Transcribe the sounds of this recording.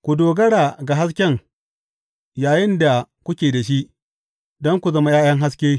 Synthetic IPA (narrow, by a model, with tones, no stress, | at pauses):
kʷu˨doː˨ɡɐ˦ɽaː˨ɡa˨ɦa˦skʲɛ˦ŋ | jaː˨jɪ˦nda˨kʷʊ˦kʲeː˨da˨ʃi˦ʔ | dɔ˦ŋkʷu˨zɐ˦ma˦jaː˦j̰ɐ˦ŋɦa˦skʲeː˦